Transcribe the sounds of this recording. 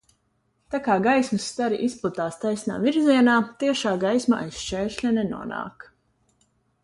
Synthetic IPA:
t̪akaːɡajsmusːt̪aɾiʔisplˠut̪aːst̪ajsʲna̰ːviɾziɛnaːt̪iɛʃaːɡajsmaʔa̰jsʃt͡ʃɛːʃʲlʲɛnɛnṵɔna̰ːk

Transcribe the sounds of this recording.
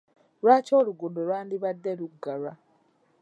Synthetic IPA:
ɾwat͡ʃoːɾuɡudoɾwaːndiβadːeluɡaɾa

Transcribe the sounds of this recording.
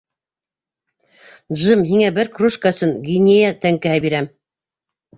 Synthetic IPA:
ʒɤmɦiŋæbɘɾkruʃkaɵ̆sɵŋɡʲinʲejat̪æŋkæhæbiɾæm

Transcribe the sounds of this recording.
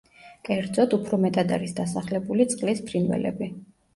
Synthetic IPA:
kʼɛɾd̪zɔt̪upʰɾɔmɛt̪ʼad̪a̰ɾisd̪asaχlɛbulit̪sʼqʼlispʰɾinvɛ̰lɛ̰bi

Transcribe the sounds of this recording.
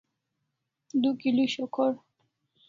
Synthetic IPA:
d̪ukiluɕɔkʰɔɾ

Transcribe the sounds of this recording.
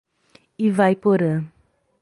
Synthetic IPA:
ivajpoɾɐ̃

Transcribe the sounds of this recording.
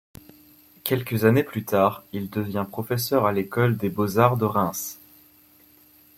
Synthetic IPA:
kʲɛlkəzaneplyt̪aʁild̪əvjɛ̃pχɔfɛsœʁalekɔld̪ebozaʁd̪əʁɛ̃s

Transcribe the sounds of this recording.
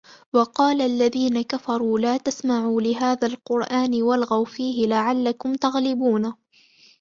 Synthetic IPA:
wɑqɑːlaʔlːaðiːnakafɑɾˤuːlaːt̪asmaʕuːlɪɦaːðalqʊɾʔaːnwalɣawfiːɦɪlaʕalːakʊmt̪aɣlɪbuːna

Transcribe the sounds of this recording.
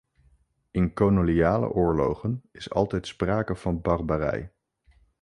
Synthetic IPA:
ɪnkownolijaːlə̰ʔʊːɹlo̰wχənɪsɑ̰lˠtɛjtspraːkəv̥ɑnbɑrbarɛ̰j

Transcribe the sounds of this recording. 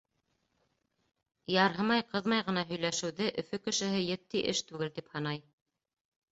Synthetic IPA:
jɑɾɦɤmɑjqʰɤðmɑjʁɤ̆nɑɦɵ̆jlæʃɘ̆wðɘʔɵ̆fɵkɘ̆ʃɘ̆ɦɘjɘ̆t̪ːiʔɘʃt̪ʉɡɘlt̪iphɤ̆nɑj

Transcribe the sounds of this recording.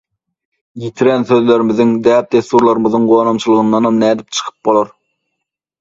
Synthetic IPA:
jit̪ʰiɾɛnsøðleɾɪmɪzɪŋd̪æːp̚t̪ʰest̪uɾlˠɑɾɯmɨzðɯŋʁoːnɑmt͡ʃʰɨlˠəʁɯnd̪ɑnɑmnæːd̪ip̚t͡ʃʰə̥qʰɯ̥p̚bolˠɑɾ

